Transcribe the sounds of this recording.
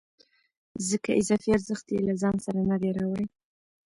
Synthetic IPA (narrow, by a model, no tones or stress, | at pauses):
zəkaʔɪzɑfiaɾzəxt̪jelazɑnsaɾanad̪eɾawəɽe